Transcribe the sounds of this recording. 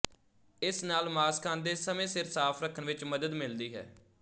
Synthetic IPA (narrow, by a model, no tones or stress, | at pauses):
ɪsnaːlmaːskʰãːnd̪eːsəmẽːsɪɾsaːpʰɾəkʰənʋɪt͡ʃməd̪əd̪mɪld̪iːɦɛ̰ː